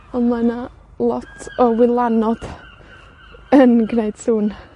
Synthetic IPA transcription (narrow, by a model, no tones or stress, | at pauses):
ɔmana | lˠɔtʰɔwɪlˠanɔd̪̥ | ənɡnejd̥suːn